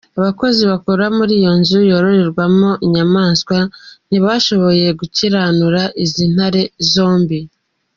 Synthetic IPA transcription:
aβako̞ziβakoɾamuɾiːjo̞nzujo̞ɾo̞ɾe̞ɾɡwamo̞ʔiɲamaːnskwan̥iβaʃo̞βo̞je̞ɡuciɾaːnuɾaʔizin̥haɾe̞zo̞ːmbi

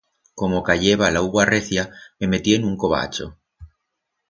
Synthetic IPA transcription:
ko̞mo̞kaʎe̞βalauɣwareθjame̞me̞t̪ienuŋko̞β̞a̰t͡ʃo̰

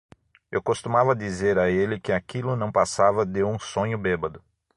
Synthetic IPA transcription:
ewkost̪umavɐd̪izeɾaelɪkɪakilʊnɐ̃w̃pasavɐd̪ɪũsõɲʊbebɐd̪ʊ

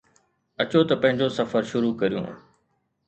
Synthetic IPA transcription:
ɐt͡ɕot̪ɐpɐ̃ɦɪ̃ɲd͡ʑosɐfəɾʃʊɾukɐɾijṵ̃ː

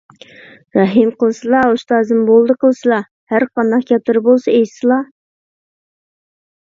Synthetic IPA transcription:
ɾɑɦimqəlˠsɨlˠɑuʃt̪ɑːzɨmbolˠd̪əqʰəlˠsɨlˠɑ | hæɾqɑnd̪ɑqkʲɑt̪ɨɾbolˠsɨejsɨlˠɑ

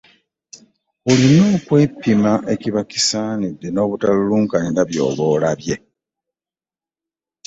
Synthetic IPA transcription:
ulinoːkwe̞ːpːimaʔeciβaki̥sanid̪ːeno̞ːβutaluluːŋkaninaβjo̞̰ːβo̞ːlaβje̞

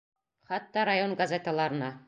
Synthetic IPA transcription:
χɑt̪ːɑɾajonɡɐzʲet̪ə̆lˠɑɾɤ̆nɑ

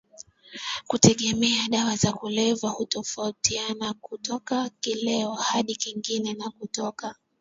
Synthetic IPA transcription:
kutɛɠɛmɛaɗawazakulɛvahutɔfautianakutɔkakilɛɔhaɗikiŋɡinɛnakutɔka

